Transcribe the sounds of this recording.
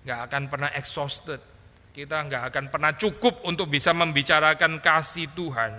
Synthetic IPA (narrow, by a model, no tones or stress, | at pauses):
ŋɡaʔakanpərnaɦʔɛksɔst̪ət̪̚ | kit̪aŋɡaʔakanpərnaht͡ʃukʊp̚unt̪ʊk̚bisaməmbit͡ʃaɾakankasit̪uɦan